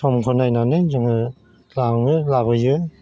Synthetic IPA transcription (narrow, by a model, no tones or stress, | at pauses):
sɔmkʰɔnajnanɯzɯŋɯ | laŋɯlabɯjɯ